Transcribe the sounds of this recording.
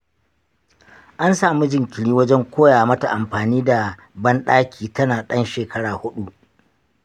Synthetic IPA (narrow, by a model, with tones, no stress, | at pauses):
ʔa˦nsaː˨mi˦d͡ʒɪ˨ŋkʲɪ˨ɽiː˦wɐ˦d͡ʒɛ˦ŋkʷoː˦jaː˨mɐ˦ta˨ʔa˨mɸaː˨niː˦da˨ | bɐ˦nɗaː˦kʲʰiː˨tɐ˦naː˨ɗɐ˦nʃeː˨kɐ˦ɽaː˨hʊ˦ɗu˦ʔ